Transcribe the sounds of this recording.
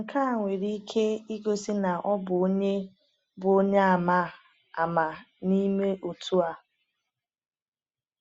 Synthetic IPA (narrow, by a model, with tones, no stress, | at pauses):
ŋ̩˨kʰa˦˨ŋʷe˨ɾi˦i˦kʰe˦i˦ɡo˦si˦na˨ʔɔ˦bʊ˨o˦ɲe˦ | bʊ˨o˦ɲe˦a˨ma˦˨ | a˨ma˨ | ni˦me˦ʔo˨tʰu˦a˦